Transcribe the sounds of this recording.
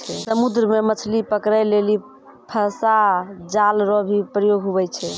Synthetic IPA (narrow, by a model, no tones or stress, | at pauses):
t͡ʃʰɛsəmud̪ɾəmemət͡ʃʰlipəkɾajleli | pʰəsad͡ʒalɾɔbʱipɾəjoɡʱɦuβɛt͡ʃʰɛ